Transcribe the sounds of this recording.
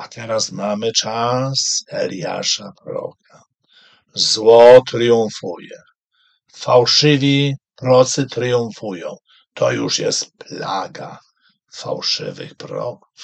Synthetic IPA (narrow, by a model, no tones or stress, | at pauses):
at̪ʰɛɾasmamɘt͡ʂasɛlja̰ʂapɾɔɾɔ̰k̚ʰa | zwɔt̪ɾɨjũfujɛ | fawʂɪvʲipɾɔt̪sɨt̪ɾɨjũfujɔ̃w̃ | t̪ʰɔjuʂjɛ̰st̪plaɡa | fa̰wʂɪ̰vɨ̰xpɾɔɔ̰k